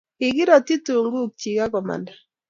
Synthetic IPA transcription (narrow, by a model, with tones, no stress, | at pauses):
ɪ˨ɣɪ˦ɾa˨ti˦tu˨ŋɡu˦k̚t͡ʃi˨ka˦kɔ˨ma̰˨nda˨